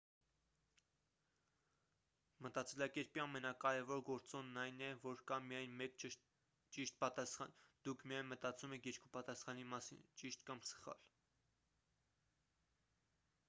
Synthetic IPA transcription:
mət̪ɑt͡sɛlɑkɛɾpiɑmɛnɑkɑɾɛvɔɾɡɔɾt͡sɔnːɑjnɛvɔɾkɑmijɑjnmɛk | t͡ʃiʃt̪̚pɑt̪ɑsχɑ̰nd̪̥ukʰmijɑjnmət̪ɑt͡sumɛkʰjɛɾkʰupɑt̪ɑsχɑnimɑsḭnt͡ʃiʃt̪kɑmsə̥χɑ̰l

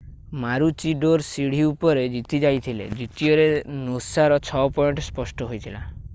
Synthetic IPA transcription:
maɾut͡ʃiɖoɾsiɽ̤iupɔɾed͡ʒit̪id͡ʒajt̪ʰilḛd͡ʒit̪iɔɾenosaɾɔt͡ʃʰɔpɔjɳʈɔspɔsʈɔɦojt̪ʰila

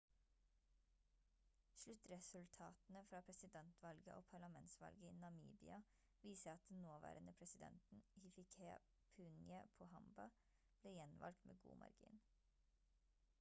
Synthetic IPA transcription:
ʃlʉt̪ɾɛsʉlt̪ʰɑːt̪n̩əfɾɑːpʰɾɛsɪd̪ɛnt̪ʰʋɑlɡəʔoːpʰɑɭɑmɛnt̪sʋɑ̰lɡəiːnɑmḭːbɪɑ | ʋiːsəɑt̪̚d̪ɛnnoːʋæ̰ːɾənəpʰɾɛsɪd̪ɛ̰nt̪n̩hɪfɪkʰɛ̰ | pʰʉːnjəpʰoːhɑmbɑ | b̥leːjɛnʋʔɑ̰lk̚t̪mʔḛːɡṵːmʔɑ̰ɾɡḭːn

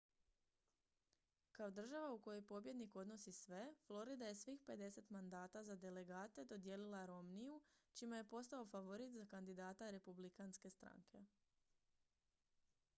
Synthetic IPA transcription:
kao̞d̪r̩ʒaʋauko̞jojpo̞bje̞d̪niko̞d̪no̞sisʋe̞flˠo̞ɾid̪aje̞sʋixpe̞d̪e̞se̞t̪mand̪aːt̪azad̪e̞le̞ɡaːt̪e̞d̪o̞d̪je̞lilˠaɾo̞mnijut͡ʃimeje̞po̞st̪ao̞faʋo̞ɾit̪zakand̪id̪aːt̪aɾe̞publikanske̞st̪ɾa̰ŋkʰe̞

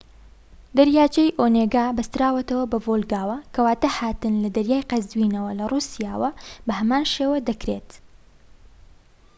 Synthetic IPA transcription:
d̪ɐɾjaːt͡ʃɐjʔoːneːɡaːbɐst̪ɨɾaːwɐt̪ɐwɐbɐvolˠɡaːwɐkʰɐwaːt̪ɐhaːt̪ɨnlɐd̪ɐɾjaːjqɐzwiːnɐwɐlɐrˤuːsijaːwɐbɐhɐmaːnʃeːwɐd̪ɐkɾet̪

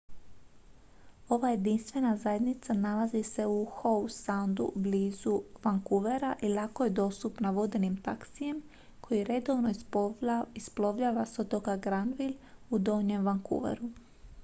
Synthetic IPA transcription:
o̞ʋaje̞d̪inst̪ʋe̞nazaje̞d̪nit̪sanalazise̞uxowsand̪ṵbliːzuʋaŋkuʋe̞ɾaʔilˠako̞jed̪o̞st̪upnaʋo̞d̪enimt̪aksije̞m | kʰo̞jiɾe̞d̪o̞ʋno | isplo̞ʋʎaːʋaso̞t̪okaɡɾanʋilud̪o̞ːɲemʋaŋkṵʋḛɾu

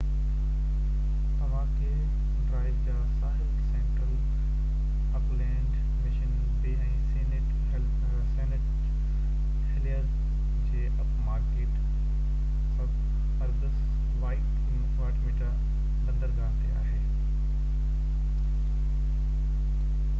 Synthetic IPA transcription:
t̪ɐʋ̤ãkʰe | ɖɾaːɪbd͡ʑaːsaːɦɪlsẽːɳʈəl | ɐplẽːɳɖ | mɪʃən | beːɛ̃seːnɪʈ | ɦɛlpʰ | seːnɪʈ̚ | hɪliəl | d͡ʑeːʔɐpmaːɾkeːʈ | sɐb | ɐɾɡəs | ʋaːɪʈ | mʊtʋaːʈmiːʈa | bɐ̃nd̪əɾɡaːt̪ɐjaːɦeː

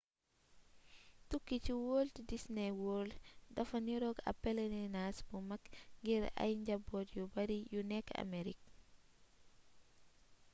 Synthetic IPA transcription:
tukːit͡ʃiwoːltidisnɛwoːldɐfɐniɾɔɡɐ̰pːɛlɛninasbumakŋɡiɾa̰jɲd͡ʒɐbːɔtjubɐɾijunɛkːa̰meɾik̚

